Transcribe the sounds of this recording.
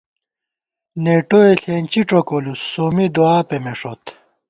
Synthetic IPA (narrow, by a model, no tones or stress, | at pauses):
neːʈoeɬeːnt͡ɕiʈ͡ʂokolusoːmid̪oaːpemeʂot̪